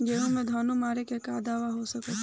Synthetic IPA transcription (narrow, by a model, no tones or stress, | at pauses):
ɡeːɦũmẽd̪ʱaːnumaːɾekekaːd̪aːʋaɦosɐkət̪